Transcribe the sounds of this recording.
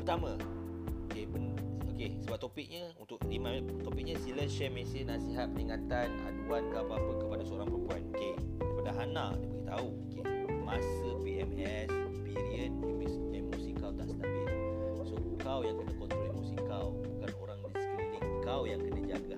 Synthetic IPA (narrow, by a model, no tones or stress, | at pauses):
pərt̪amã | dəpənokesəbap̚t̪opɪk̚ɲəunt̪ʊk̚limat̪opik̚ɲəsiləʃɛmesinasiɦat̪̚pəniŋat̪anhaduankəapaapəkəpadasəoɾaŋpɾompuanoke | dipadaɦanãdiəbəɡiht̪auokemasəpiɛmɛ | s | biɾiənibisnamusikawt̪aʔsə̥t̪abɪlsokawjaŋkənəkot̪ulɛmusikawbukanoɾaŋdisəkəniniŋkawjaŋkənəd͡ʒaɡa